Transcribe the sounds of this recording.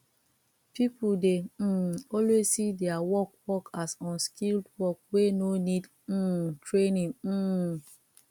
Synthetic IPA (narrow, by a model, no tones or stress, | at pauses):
pipudeɔlwezsidɛawɔk̚wɔkasɔ̃nskʰildwɔk̚wenonid̩ | tʰɹenĩŋ̩